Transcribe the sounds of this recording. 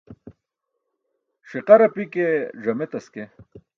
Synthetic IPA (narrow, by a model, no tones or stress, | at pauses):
ʂiqɐɾɐpikeʐɐmet̪ɐske